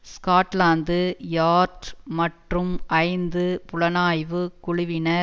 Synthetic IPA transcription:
skaːʈlaːnd̪ɯjaːɾʈmɐʈrɯmʔɐɪnd̪ɯpʊɭɐnaːjʋɯkʊɻʊʋɪnɐ

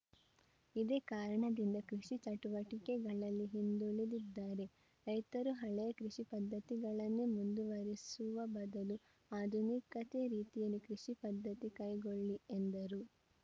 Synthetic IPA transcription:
id̪eːkaːɾɐɳɐd̪ind̪ɐkɾiʂit͡ʃɐʈuʋɐʈikɛɡɐɭɐlːiɦind̪uɭid̪id̪ːaːɾe̞ | ɾɐjt̪ɐɾuɦɐɭɛjɐkɾiʂipɐd̪ːɐt̪iɡɐɭɐnːemund̪uʋɐɾisuʋɐbɐd̪ɐlu | aːd̪ʱunikɐt̪eːɾiːt̪ijɐlːikɾiʂipɐd̪ʱːɐt̪ikɐjɡoɭːiend̪ɐɾu

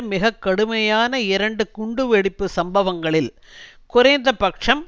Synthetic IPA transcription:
mɪɣɐkːɐɽɯmɐjaːnɐɪɾɐɳɖɯkʊɳɖɯʋɛɽɪpːɯsɐmbɐʋɐŋɡɐɭɪl | kʊɾɐːnd̪ɐpɐkʂɐm

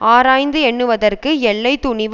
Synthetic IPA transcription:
aːɾaːjnd̪ɯɛɳːɯʋɐðɐrkɯɛɭːɐɪt̪ːʊɳɪʋ

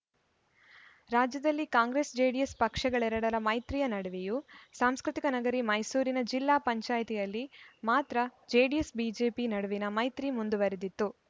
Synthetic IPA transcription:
ɾaːd͡ʒjɐd̪ɐlːikaːŋɡɾesd͡ʒeːɖijɐspɐkʂɐɡɐɭɛɾɐɽɐɾɐmɐjt̪ɾijɐnɐɽɐʋejusaːmskɾit̪ikɐnɐɡɐɾimɐjsuːɾinɐd͡ʒilːaːpɐɲt͡ʃaːjt̪ijɐlːimaːt̪ɾɐd͡ʒeːɖijesbiːd͡ʒe̞ːpinɐɽuʋinɐmɐjt̪ɾimund̪uʋɐɾed̪it̪ːu

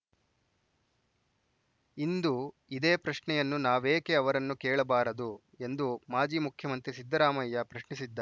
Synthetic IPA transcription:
ind̪u | id̪e̞ːpɾɐʃɳɛjɐnːunaːʋeːke̞ɐʋɐɾɐnːukɛːɭɐbaːɾɐd̪u | e̞nd̪umaːd͡ʒiːmukʰjɐmɐnt̪ɾisid̪ːɐɾaːmɐjːɐpɾɐʃɳisid̪ːa

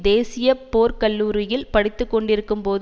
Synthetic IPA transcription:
d̪eːsɪjɐpoːɾkɐlːuːɾɪjɪlpɐɽɪt̪ːɯkːɔɳɖɪɾɯkːɯmpoːð

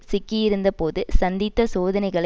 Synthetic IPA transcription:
sɪkːɪjɪɾɯnd̪ɐpoːðɯsɐnd̪ɪt̪ːɐsoːðɐnɐɪɣɐɭ

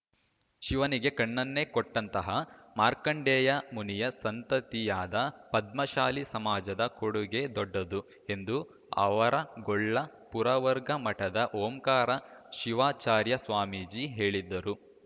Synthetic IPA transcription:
ʃiʋɐniɡe̞kɐɳːɐnːe̞kɔʈːɐnt̪ɐɦɐmaːɾkɐɳɖɛːjɐmunijɐsɐnt̪ɐt̪ijaːd̪ɐpɐd̪̚mɐʃaːlisɐmaːd͡ʒɐd̪ɐkoɽuɡe̞d̪ɔɖːɐd̪u | e̞nd̪u | ɐ̰ʋɐɾɐɡɔɭːɐ | puɾɐʋɐɾɡɐmɐʈɐd̪ɐʔoːmkaːɾɐʃiʋaːt͡ʃaːɾjɐsʋaːmid͡ʒiːɦe̞ːɭid̪ːɐɾu

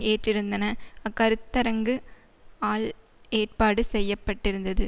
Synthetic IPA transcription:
eːʈrɪɾɯnd̪ɐnɐɐkɐɾɯt̪ːɐɾɐŋɡɯ | aːl | eːʈ̚paːɽɯsɛjːɐpːɐʈːɪɾɯnd̪ɐðɯ

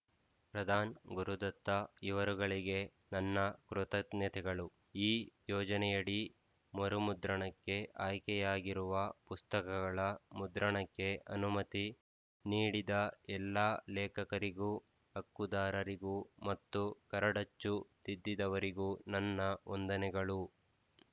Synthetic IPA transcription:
pɾɐd̪ʱaːnɡuɾud̪ɐt̪ːɐiʋɐɾuɡɐɭiɡe̞ | nɐnːɐkɾut̪ɐt̪nɐt̪ʰɛɡɐɭu | iːjɔːd͡ʒɐnɛjɐɽi | mɐɾumud̪ɾɐɳɐkːe̞ʔaːjkɛjaːɡiɾuʋɐpust̪ɐkɐɡɐɭɐmud̪ɾɐɳɐkːe̞ɐnumɐt̪i | niːɽid̪ɐɛlːaːlɛːkɐkɐɾiɡuː | ɐkːud̪aːɾɐɾiɡumɐt̪ːukɐɾɐɽɐt͡ʃːut̪id̪ːid̪ɐʋɐɾiɡuːnɐnːɐond̪ɐnɛɡɐɭu

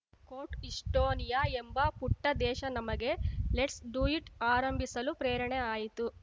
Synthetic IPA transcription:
koːʈiʂʈoːnijaembɐpuʈːɐd̪ɛːʃɐnɐmɐɡe̞leʈsɖuiʈaːɾɐmbʱisɐlupɾeːɾɐɳeaːjit̪u

